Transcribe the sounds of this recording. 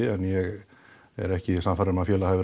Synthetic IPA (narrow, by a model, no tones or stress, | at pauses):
ɪɛnjɛɣ | ɛ̰ɾɛhcɪi̥samfaɾɪmaðfjɛːlahavɪɾ